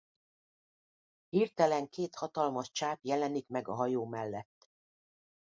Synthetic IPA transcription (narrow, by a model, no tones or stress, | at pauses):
hirt̪ɛlɛŋkeːt̪hɒt̪ɒlmɒʃt͡ʃaːpjɛlɛnikmɛɡɒɦɒjoːmɛlːɛt̪ː